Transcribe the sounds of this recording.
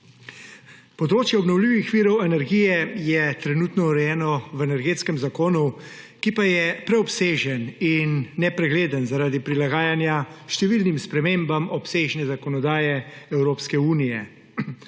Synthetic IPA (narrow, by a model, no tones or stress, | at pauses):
pɔd̪ɾoːt͡ʃjɛɔbnɔwliʋixʋiːɾɔwɛnɛɾɡijɛjɛt̪ɾɛnut̪nɔuɾɛjɛːnɔwɛnɛɾɡeːt̪skɛmzakoːnu | kipajɛpɾɛɔpseːʒəninːɛpɾɛɡleːd̪ənzaɾaːd̪ipɾilaɡaːjanjaʃt̪ɛʋilnimspɾɛmeːmbamɔpseːʒnɛzakɔnɔd̪aːjɛɛwɾoːpskɛuːnijɛ